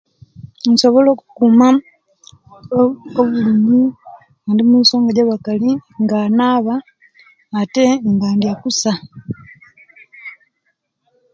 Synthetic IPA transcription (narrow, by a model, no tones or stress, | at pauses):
nso̞βo̞lokukuma | oβuliːɲɡi | andimiso̞ːŋɡaɟaβakaliŋɡanaβaː | teŋɡaːndiakusa